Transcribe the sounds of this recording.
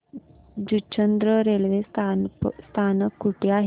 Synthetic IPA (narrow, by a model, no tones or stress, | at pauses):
d͡ʒut͡ʃːɐnd̪ɾəɾeːlʋeːst̪ʰanst̪ʰaːnɐkuʈːijaːɦ